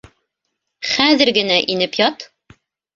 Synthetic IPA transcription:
χæðɘ̆ɾɡɘ̆næʔinɘpjɒt̪

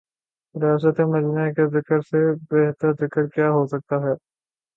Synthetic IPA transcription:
ɾɪjaːs̬ət̪emɐd͡ʒnəekezɪkəɾsebɛɦt̪əɾd̪ɪkəɾkjaːɦosɐk̚t̪aɦɛː

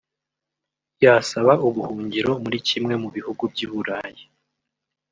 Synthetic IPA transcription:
jasaβauβuhuːɲɟiɾo̞muɾicimŋe̞muβihuɡubɟiβuɾaje

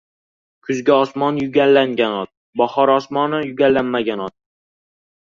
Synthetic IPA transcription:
kʰʊzɡʲaɒsmɒnjʊɡʲalːaŋɡʲanɒt̪̚ | bɒhɒɾɒsmɒnɪjʊɡʲalːanmaɡʲanɒt̪̚

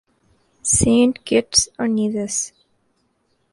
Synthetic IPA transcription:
sẽːnʈɡ̥ɪʈsəniːðəs

